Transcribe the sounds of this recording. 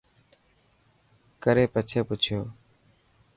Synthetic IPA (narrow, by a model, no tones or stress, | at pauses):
kəɾeːpət͡ʃʰeːpʊt͡ʃʰjoː